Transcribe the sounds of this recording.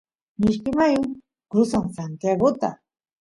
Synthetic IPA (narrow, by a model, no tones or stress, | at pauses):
mɪʃkɪmajʊŋ | kɾʊsaŋsant̪jaɡot̪a̰